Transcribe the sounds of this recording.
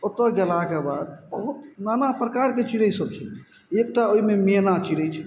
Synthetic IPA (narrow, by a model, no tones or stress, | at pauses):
ot̪ːəɡɛlakebad̪̚bəɦut̪nanapɾəkaɾket͡ʃiɽəsəb̚t͡ʃʰɛ | ek̚ʈaoimeminat͡ʃiɽət͡ʃʰɛ